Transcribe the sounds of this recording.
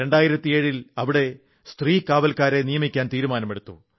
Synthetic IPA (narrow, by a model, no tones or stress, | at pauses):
e̞ɳɖaːjiɾɐt̪ːie̞ːɻilɐʋiɽe̞ | st̪riːkaːʋɐlkaːɾe̞nijɐmikʲːaːnt̪iːɾumaːnɐme̞ɽut̪ːu